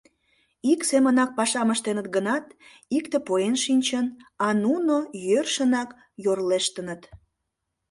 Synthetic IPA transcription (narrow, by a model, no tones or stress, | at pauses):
iksemənɑk̚pɑʃɑməʃt̪enət̪̚ɡənɑt̪ | ikt̪epoenʃinʲt͡ɕənɑnunojørʃənɑk | jorleʃt̪ənət̪